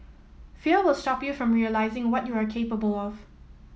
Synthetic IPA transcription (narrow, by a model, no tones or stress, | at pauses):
fiwɪlˠstɔpjufɹɔ̃mɹiəlaɪzɪ̃ŋwɔtjuakʰeɪpəbəlɔv̥